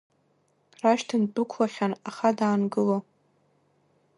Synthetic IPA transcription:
raʃtʰɨndukʷʰlaχʲanaχadaːnɡɨlo

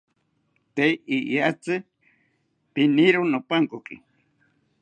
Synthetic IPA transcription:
t̪ejijat͡sɨ | piniɾonopaŋkokḭ

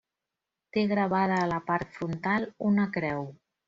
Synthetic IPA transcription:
t̪eɣɾəβaðəːləpaɾt̪fɾunt̪alˠunəkɾɛw

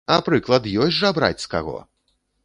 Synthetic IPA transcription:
ɐpɾɨklˠɐd̪jɔjʲʐabɾa̰t͡sʲska̰ɣɔ̰

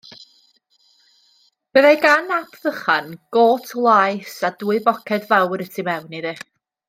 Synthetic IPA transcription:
b̥əðajɡanapʰðəχanɡ̥oːtʰlˠajsaduːɨbɔkʰɛdvawɾətʰimɛwniðe

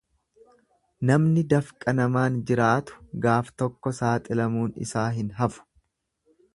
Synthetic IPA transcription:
nɐmnɪd̪ɐfkʼɐnɐmaːnd͡ʒɪɾaːt̪ʊ̥ɡaːft̪ɔkːɔsaːt̪ʼɪlɐmuːnɪ̰saːɦɪnɦɐfʊ̥

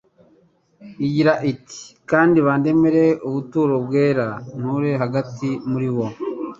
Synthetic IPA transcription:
iɟiɾaʔiti̥kaːndiβaːnde̞meɾe̞uβutuːɾo̞bɡeːɾan̥uɾe̞ɦaɡatimuɾiwo̞

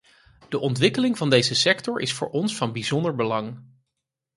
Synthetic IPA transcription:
d̥əʔɔntʋɪkəlɪŋvɑndejzəsɛktɔɹʔɪ̰sfʊ̰ːɹʔɔnsfɑnbizɔndəɹbəlɑŋ

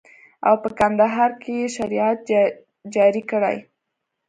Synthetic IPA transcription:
a̰wpəkand̪aɦɑɾkejeʃaɾiat̪̚ | d͡ʒɑɾikəɽa̰j

